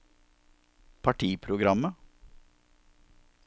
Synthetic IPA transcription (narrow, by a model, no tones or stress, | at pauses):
pʰɑʈʰiːpʰɾʊɡɾɑmə